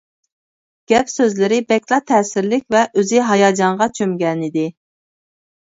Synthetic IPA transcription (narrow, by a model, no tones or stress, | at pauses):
ɡ̥ʲɛpsøzlɪɾɪbɛkʲlˠɑt̪ʰɛːsɪɾlɪk̚ʲvɛʔøzɪɦɑjɑːd͡ʒɑɴʁɑt͡ʃʰømɡʲɛnɪd̪ɪ